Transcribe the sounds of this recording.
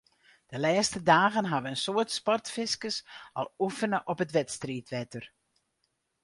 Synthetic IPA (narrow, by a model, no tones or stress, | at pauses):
d̥əlɛːstədaːɣənɦaʋəənsoərtspɔrtfɪskəsɔ̰lˠufənəʔɔpətʋɛtstriːtʋɛtər